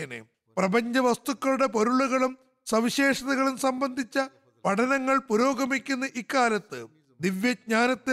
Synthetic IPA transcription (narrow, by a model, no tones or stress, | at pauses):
nḛ | prɐbɐɲd͡ʑɐʋɐst̪ukːɐɭuɽe̞poɾuɭuɣɐɭum | sɐʋiɕe̞ːʂɐðɐɣɐɭumsɐmbɐnd̪ʱit͡ɕːɐ | pɐʈʰɐnɐŋːɐɭpuɾo̞ːɡɐmikʲːunːɐʔikːaːlɐt̪ːɨ | d̪iʋjɐɡ̚ɲaːnɐt̪ːɨ